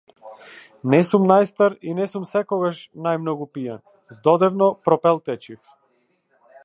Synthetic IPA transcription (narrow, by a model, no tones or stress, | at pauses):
nɛsumnajst̪aɾinɛsumsɛkɔɡaʃnajmnɔɡupija̰n | zd̪ɔd̪ɛvnɔpɾɔpɛlˠt̪ɛt͡ʃif